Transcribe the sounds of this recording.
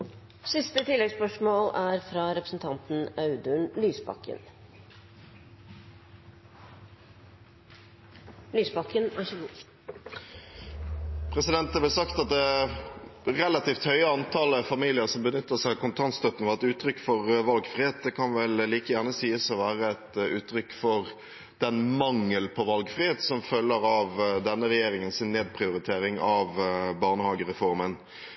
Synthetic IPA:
sɪst̪ət̪ʰɪlːɛɡspœʂmoːlæːɾfɾɑɾɛpɾəsn̩t̪ʰɑnt̪n̩ɑʉd̪ʉnlyːsbɑ̰kːə̰n | lyːsbɑkːənæ̰ɾɪçəɡuː | pʰʁɛsɪd̪ɛnt̪əblɛːsɑkt̪ɑt̪̚d̪ɛ | ʁɛlɑt̪iːft̪hœʏəɑnt̪ʰɑːləfɑmiːlɪəʁsɔmbənʏt̪ːəsæɪɑkʰʊnt̪ʰɑnst̪œt̪n̩fɔɛt̪ʉːt̪ʰɾʏkːfɔʁʋɑlɡfʁɪheːt̪̚d̪ɛkʰɑnʋɛlːiːkəjæʁnəsiːəsɔʋæːʁəɛt̪ʉːt̪ʰɾʏkːfɔʁ | d̪̥ɛnmɑŋːəlpʰɔʋɑlɡfʁɪheːt̪sɔmfœlːəʁɑʋd̪ɛnːəʁɛjeːɾɪŋənsɪnːeːd̪̚pʰʁɪʊɾɪt̪ʰeːɾɪŋɑʋbɑʁnəhɑːɡəʁɛfɔʁmən

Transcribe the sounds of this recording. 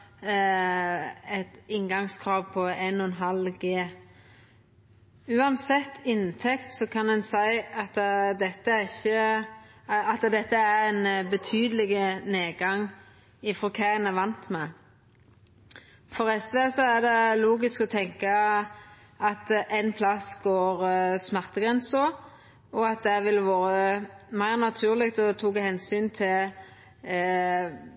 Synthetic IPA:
ɛt̪ɪŋɡɑŋskʰɾɑːʋpʰɔɛnːɔɛnɦɑlɡeː | ʉːɑnsɛt̪ːɪnt̪ʰɛkt̪sɔkʰɑnɛnsæɪɑt̪d̪ɛt̪ːəæɾɪçːə | ɑt̪d̪ɛt̪ːəæɾɛɪnbət̪ʰyːd̪əlɪɡəneːɡɑŋː | ɪfɾɔkʰæɛnæʋɑnt̪mɛ | fɔʁɛsʋesɔæd̪ɛluːɡɪskɔt̪ʰɛŋkɑ | ɑt̪ʔɛɪnpʰlɑsɡoːʁsmæʁt̪əɡʁɛnsɔ | ɔɑt̪̚d̪ɛʋɪlʋoːɾəmæɪʁnɑt̪ʰʉːʁlɪk̚t̪ɔt̪ʰuːɡəhɛnsyːnt̪ʰɪl

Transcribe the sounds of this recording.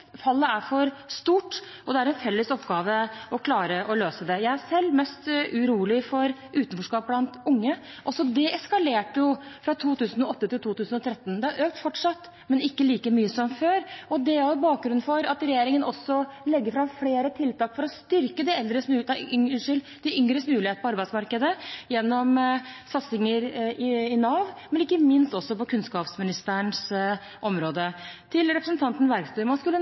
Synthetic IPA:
fɑlːəæɾfɔɾst̪uːʈ | ʔɔd̪ɛæɾɛnfɛlːəsɔpːɡɑːʋəʔɔkʰlɑːɾəʔɔløːsəd̪ɛjæɪæʂɛlːmɛst̪ʉɾuːlɪfɔɾʔʉːt̪ənfɔʂkɑːp̚blɑnt̪ʊŋːə | ʔɔsɔd̪ɛɛskɑleːʈəjʊfɾɑt̪ʰuːt̪ʉːsnɔɔt̪ːət̪ʰɪlt̪ʰuːt̪ʉːsnɔt̪ʰɾɛt̪ːnd̪ɛæɾʔøːk̚t̪fɔʈʂɑt̪ː | mɛnɪkːəliːkəmyːəsɔmføːɾɔd̪ɛæɾjʊbɑːk̚ɡɾʉn̩fɔɾɑt̪ɾɛjeːɾɪŋənɔsːɔlɛɡːəɾfɾɑmfleːɾət̪ʰɪlt̪ɑːkfɔɾɔst̪ʏɾkəd̪ɪɛld̪ɾəsd̪ʏŋʂɪl | d̪̥ɪʔʏŋɾəsmʉːlɪeːt̪̩pʰɔɑɾbæɪsmɑɾkəd̪əjɛnːɔmsɑt̪sɪŋəɾɪɪnɑːʋmɛnɪkːəmɪnst̪ɔsːɔpɔkʰʉnskɑːpsmɪnɪst̪æəɳs | ʔɔmɾoːd̪ət̪ʰɪlɾɛpɾəsn̩t̪ɑnt̪n̩ʋæɾkst̪ʉːmɑnskʉlːə

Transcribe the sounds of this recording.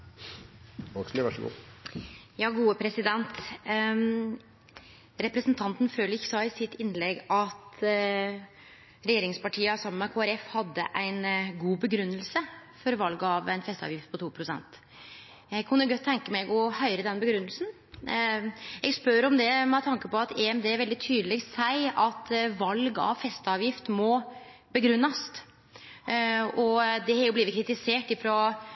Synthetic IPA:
ɔkslʋæʂɔɡṵː | jɑːɡuːəpʰɾɛsɪd̪ɛnt̪ | ɾɛpɾɛsnt̪ʰɑnt̪n̩føːləɾɪçːəsɑːɪsɪt̪ːɪnlɛɡɑt̪ | ɾɛjeːɾɪŋspɑʈʰiːəɑsɔmmɑkʰoːæɾɛfhɑd̪ːə̰ʔæɪnɡuːbəɡɾʉnːəlsəfɔɾʋɑlɡɑːʋæɪnfɛst̪ɑ̰ʋjɪft̪̚pʰɔt̪uːpʰɾʊsɛ̰nt̪ | ɛɡkʰʊnd̪ɛɾɡœt̪ʰːɛŋkəmɛɡɔhœʏɾəd̪ɛnbəɡɾʉnːəlsn̩ | ɛɡspœɾɔmd̪ɛmɛt̪ʰɑŋkəpɔɑt̪ʰɛɛmd̪eːæɾʋɛld̪ɪt̪ʰyːd̪əlɛɡsæɪɑt̪ʋɑlɡɑ̰ʋfɛst̪ɑːʋjɪft̪mɔ | bəɡɾʉnːɑst̪ | ɔd̪ɛhɑɾjʊbliːʋɪt̪kʰɾɪt̪ɪseːʈɪfɾoː

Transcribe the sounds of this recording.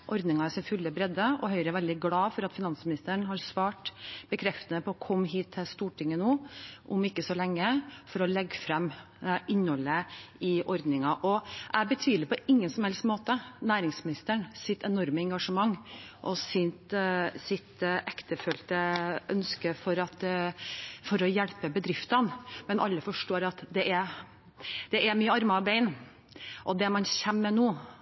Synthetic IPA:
ʔɔɾd̪nɪŋɑæʂɪnfʉlːəbɾɛd̪əɔɦœʏɾəʋɛld̪ɪɡlɑːfɔɾɑt̪fɪnɑnsmɪnɪst̪əɳɦɑɾsʋɑːʈb̥əkʰɾɛft̪ənəpʰɔɔkʰɔmːɦiːt̪ʰːɪlst̪uːʈʰɪŋːənoːʔʊmɪkːəsɔlɛŋːəfɔɾɔlɛɡːfɾɛm | ʔɪnːhɔləɪʔɔɾd̪nɪŋɑʔɔʔæbət̪ʰyːd̪lɪpʰɔɪŋːənsɔmhɛlst̪moːt̪ənæːɾɪŋsmɪnɪst̪əɳsɪt̪ɛnɔɾməɛŋɡɑʂəmɑŋːʔɔsɪnt̪sɪt̪ʔɛkt̪əfœlt̪əʔœnskəfɔɾɑt̪ | fɔɾɔjɛɽpəbəd̪ɾɪft̪ɑnmɛnʔɑ̰lːəfɔʂʈoːɾɑt̪d̪ɛʔɛ | d̪̥ɛʔæmyːəɑɾmɑbeɪn | ʔɔd̪ɛmɑnçɛmːɛnuː

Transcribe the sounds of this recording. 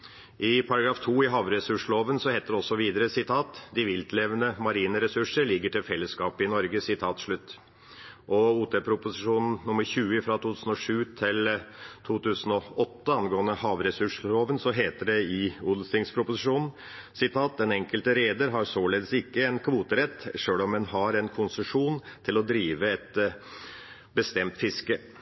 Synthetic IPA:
ʔɪpʰɑɾɑɡɾɑːft̪ʰuːɪɦɑːʋɾɛsʉʂɭoːʋənsɔheːt̪əd̪ɛɔsːɔʋiːd̪əɾəsɪt̪ʰɑːt̪d̪ɪʋɪlt̪lɛʋənəmɑɾiːnəɾɛsʉʂəɭɪɡːəʈʰɪlfɛlːəskɑːpɪnɔɾɡəsɪt̪ʰɑːt̪ʂɭʉt̪ː | ʔɔuːt̪ʰɛpʰɾʊpʊsɪʂuːnn̩nʊmːəɾçʉːəɪfɾɑt̪ʰuːt̪ʰʉːsn̩ɔʂʉːt̪ʰɪlt̪ʰuːt̪ʰʉːsən̩ɔɔt̪ːəɑnɡoːənəhɑːʋɾɛsʉʂɾoːʋənsɔɦeːt̪əɖɛɪud̪l̩st̪ɪŋspʰɾʊpʊsɪʂuːnn̩ | sɪt̪ʰɑːt̪̚d̪ɛnɛŋkəlt̪əɾeːd̪əɾɦɑɾsoːɭeːd̪əsɪkːəɛnkʰʋuːt̪əɾɛt̪ːʂøːlɔmːɛnɦɑɾɛnkʰʊnsəʂuːnt̪ʰɪlɔd̪ɾiːʋəɛt̪ | bəst̪ɛmt̪fɪskə

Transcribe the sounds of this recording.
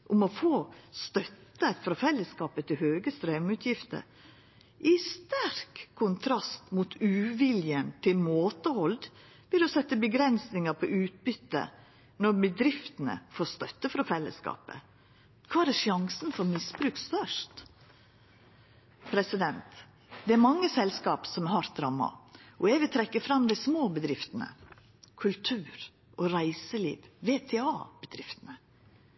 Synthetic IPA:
ʔʊmɔfoːst̪œt̪ːəfɾɑfɛlːəskɑːpət̪ʰɪlhøːɡəst̪ɾeːʋɪŋʉːt̪ʰjɪft̪ə̰ɾ | ʔɪst̪æɾkʰːʊnt̪ʰɾɑst̪mut̪ʰʉːʋɪljənt̪ʰɪlmoːt̪əhɔld̪ | ʋɪld̪ɔsɛt̪ːəbəɡɾɛnsnɪŋəpʰɔʔʉːt̪̚bʏt̪ːə̰ | nɔɾbəd̪ɾɪft̪ənə̰foːɾst̪œt̪ːəfɾɑfɛlːə̰skɑ̰ːpə̰ | kʰʋɑːæɾɛʂɑŋsnfɔɾmɪsbɾʉːkst̪œʂt̪ | pʰɾɛsɪd̪ɛnt̪ | d̪ɛæɾmɑŋːəsɛlskɑːpsɔmæhɑɾt̪̚d̪ɾɑmːɑ̰ʔɔɛʋət̪ʰɾɛkːəfɾɑmd̪æɪsmoːbəd̪ɾɪft̪ənə̰ | kʰʉlt̪ʰʉːɾ | ʔɔɾæɪsəlḭːʋʋeːt̪ʰeːɑːb̥əd̪ɾɪft̪ənə

